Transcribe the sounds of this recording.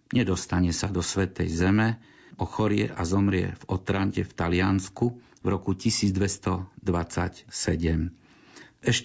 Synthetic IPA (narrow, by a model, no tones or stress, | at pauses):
ɲɛd̪ɔst̪aɲɛsad̪ɔsʋɛt̪ɛjzɛmɛ | ɔxɔɾɪɛ̰ʔazɔmɾɪɛ̰vɔt̪ɾaɲcɛft̪alɪansku | vɾɔkucisiːd͡zd̪ʋɛst̪ɔd̪ʋat͡sa̰csɛɟɛm | ɛʃ